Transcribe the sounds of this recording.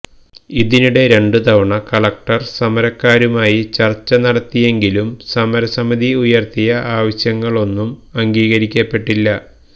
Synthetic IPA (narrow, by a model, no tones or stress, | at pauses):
iðinuɽe̞ɾe̞ɳɖut̪ɐʋɐɳɐkɐɭɐk̚ʈɐrsɐmɐɾɐkːaːɾumaːjit͡ɕɐrt͡ɕːɐnɐɽɐt̪ːije̞ŋɡilumsɐmɐɾɐsɐmiðiujɐrt̪ijɐʔaːʋɐɕjɐŋːɐɭo̞nːumɐŋɡiːɣɐɾikʲːɐpːe̞ʈːilːɐ